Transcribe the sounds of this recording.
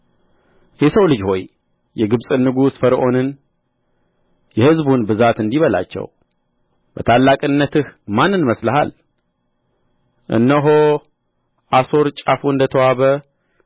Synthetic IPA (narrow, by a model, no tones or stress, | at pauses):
jɛsəwlɨd͡ʒho̞j | jɛɡɨβsʼɨnːɨɡusfəɾʔo̞nɨn | jɛhɨzbunbɨzat̪ɨnd̪iβəla̰t͡ʃːɛ̰w | bət̪ʰalːakʼɨnːət̪ɨhmanːɨnməsləɦa̰l | ʔɨ̰nːəɦo | ʔaso̞ɾt͡ʃʼafuɨnd̪ət̪ʰəwaβə